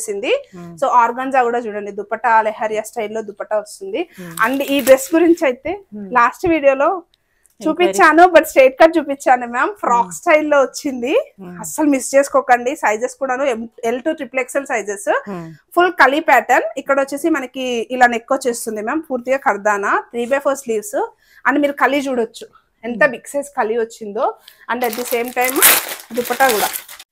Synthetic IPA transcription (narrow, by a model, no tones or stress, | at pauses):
sind̪isoːaːɾɡaːnd͡ʒaːkuːɽaːt͡ʃuːɽɐɳɖid̪upːɐʈɐleɦɐːɾijaːsʈɐjlːoːd̪upːɐʈɐost̪und̪iɐɳɖiːɖɾe̞sɡuɾiɲt͡ʃiɐjt̪eːlaːsʈʋiːɽijoːlo̞ː | t͡ʃuːpit͡ʃːaːnubɐʈsʈeːʈ̚kaːt͡ʃuːpit͡ʃːaːnumaːmpɾaːksʈɐjlːo̞ːʋot͡ʃːind̪iɐsɐlumist͡ʃeːskɔːkɐɳɖisɐjd͡ʒeskuːɽaːnuemelʈuʈɾipleksɐlsɐjd͡ʒespʰulkɐlipɛːʈɐnikːɐɽot͡ʃːeːsimɐnɐkiːlaːnekːoːt͡ʃeːst̪und̪imaːmpuːɾt̪iɡaːkɐɾd̪aːnɐt̪ɾiːbeːpʰoːɾsliːʋs | ɐɳɖimiːɾukɐlit͡ʃuːɽɐt͡ʃːu | ent̪ɐbikseskɐliʋot͡ʃːind̪oːɐɳɖɐʈ̪̚d̪iseːmʈɐjmd̪upːɐʈɐkuːɽaː